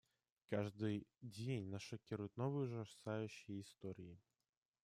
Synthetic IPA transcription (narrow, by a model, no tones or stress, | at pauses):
kaʐd̪ɨd͡zʲenʲnɐʂɐkʲiɾujʊt̪ʲnɔvɨjuʐɐsajuɕijist̪ɔɾʲiji